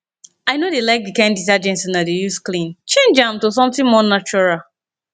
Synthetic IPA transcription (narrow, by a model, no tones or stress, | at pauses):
aɪnodelaɪk̚dikãndit̬ad͡ʒɛ̃nsĩnadejusklĩnt͡ʃẽnd͡ʒãmtos̬ɔ̃mtɪ̃ŋmɔnat͡ʃɔɹal